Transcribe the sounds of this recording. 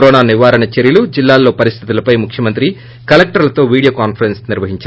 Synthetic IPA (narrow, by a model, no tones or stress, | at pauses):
ɾɔːnaːniʋaːɾɐɳɐt͡ʃeɾjɐlud͡ʒilːaːlːo̞ːpɐɾist̪ʰit̪ulɐpɐjmukʰjɐmɐnt̪ɾi | kɐlek̚ʈɐɾlɐt̪o̞ːʋiːɽijoːkaːnpʰɐɾensniɾʋɐɦiɲt͡ʃaːɾ